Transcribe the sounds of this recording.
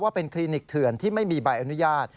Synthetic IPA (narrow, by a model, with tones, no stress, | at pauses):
waː˥˩pe˧nkʰliː˧ni˨˩k̚t̪ʰɯ˨˩ənt̪ʰiː˥˩ma˥˩jmiː˧baː˧jʔa˧nu˦˥jaː˥˩t̪̚